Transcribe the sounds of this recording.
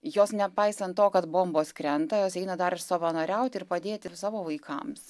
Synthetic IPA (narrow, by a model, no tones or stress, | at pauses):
joːsnʲɛpɐɪsɐnt̪̚t̪oːkɐt̪boːmboːskɾʲɛnt̪ɐjoːsɛɪnɐd̪ɐɾsoːʋɐnoːɾʲɛʊt̪ʲɪɾpɐd̪ʲeːt̪ʲɪsɑːʋoːʋɐɪkʰɐ̰ms